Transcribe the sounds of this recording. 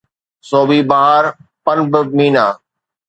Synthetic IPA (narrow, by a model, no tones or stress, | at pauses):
soːbiːbaɦaːɾpənbɪmiːnaː